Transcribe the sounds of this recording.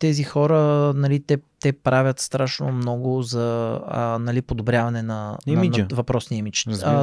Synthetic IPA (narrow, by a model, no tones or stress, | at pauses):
t̪ɛzixɔɾənɐlit̪ɛt̪ɛpɾavʲət̪st̪ɾaʃno̰mnɔɡʊzɐ | nɐlipod̪obɾʲjavɐnɛnɐmvɐpɾɔsniɛmit͡ʃ